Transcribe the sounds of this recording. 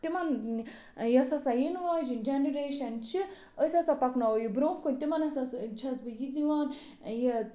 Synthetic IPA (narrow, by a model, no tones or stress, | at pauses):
t̪imɐn | jɐsasajinʋaːd͡ʒind͡ʒeniɾeːʃɐnt͡ʃʰi | əsʲasapɐknaojibɾoːmkunʲt̪imɐnɐsast͡ʃʰɐsbɨjit̪niʋaːn | je